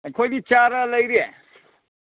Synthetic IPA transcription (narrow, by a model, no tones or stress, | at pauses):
kʰojɡit͡ʃaɾələjɾie